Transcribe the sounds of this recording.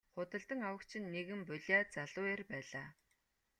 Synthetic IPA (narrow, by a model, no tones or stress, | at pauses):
χʊt̪ə̆ɬt̪ə̆ŋawə̆kt͡ɕʰɪ̆nːeɣɘ̆mpʊɮʲaːt͡saɮʊːerpæːɮaː